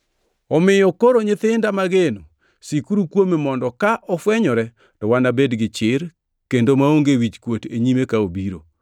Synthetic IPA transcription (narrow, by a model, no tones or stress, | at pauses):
ɔmɪjɔkoɾoɲɪt̪ɪndamaɡeno | sikuɾukwomemɔndɔkaʔɔfwɛɲɔɾɛ | tɔwanabedɡɪt͡ʃɪɾ | kendomaoŋɡewit͡ʃkwoteɲimekaobiɾo̰